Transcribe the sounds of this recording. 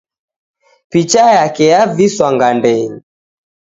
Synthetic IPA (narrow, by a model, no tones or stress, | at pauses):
pit͡ʃajakɛjaviswaŋɡandɛli